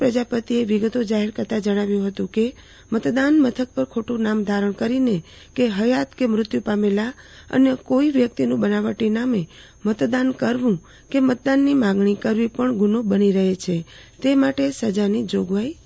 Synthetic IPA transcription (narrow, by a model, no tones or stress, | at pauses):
pɾəd͡ʒapət̪ieʋiɡət̪od͡ʒaɦeɾkəɾt̪ad͡ʒəɽ̃aʋjũɦət̪ũke | mət̪d̪anmət̪ʰək̚pəɾkʰoʈũnamd̪ʱaɾəɳkəɾine | keɦəjat̪kemɾʊt̪jupamela | ə̰nekoiʋjək̚t̪inũbənaʋəʈiname | mət̪d̪ankəɾʋũ | kemət̪̚d̪anːimãɡɳikəɾʋipəɳɡunobəniɾəɦet͡ʃʰe | t̪emaʈesəd͡ʒanid͡ʒoɡʋai